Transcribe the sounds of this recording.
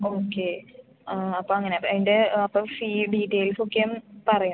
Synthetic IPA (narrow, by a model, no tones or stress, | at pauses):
oːkːe | ɐpːoːɐŋːɐneɐpːondeɐpːoːfiːɖiːʈːeːlsokːejumpɐrɐju